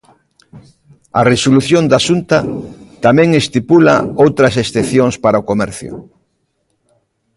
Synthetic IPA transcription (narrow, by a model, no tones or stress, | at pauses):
ɐ̰resoluθjond̪asunt̪at̪amɛ̃ŋest̪ipula̰owt̪ɾɐsesθeθjõŋspaɾaokomɛɾθjo̰